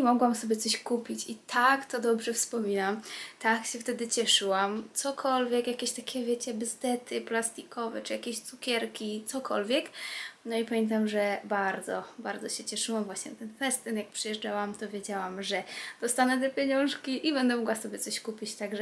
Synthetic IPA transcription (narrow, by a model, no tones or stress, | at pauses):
imɔɡwamsɔbʲjɛt̪sɔɕkupʲit͡ɕit̪ʰakt̪ɔd̪ɔbʐɛfspɔmʲinamt̪akɕɛft̪ɛd̪ɘt͡ɕɛʂɘwamt̪sɔkʰɔlvʲjɛkjakʲeɕt̪akʲɛvʲjɛt͡ɕɛbɘzd̪ɛt̪ɘplast̪ikʰɔvɛ̰t͡ʂɨjakʲeɕt̪sukʲɛɾkʲit̪sɔkʰɔlvʲjɛknɔipamʲjɛ̃nt̪̬amʐɛbaɾd̪zɔbaɾd̪zɔɕɛt͡ɕɛʂɘwamvwaɕɲɛnat̪ɛnfɛst̪ɛnjak̚pʂɨjɛʐd͡ʐawamt̪ɔvʲjed͡ʑawamʐɛd̪̥ɔst̪anɛt̪̬ɛpʲjɛɲɔ̃ʂkʲiʔibɛnd̪ɛmɔɡwasɔbʲjɛsɔɕkupʲit͡ɕt̪aɡʐɛ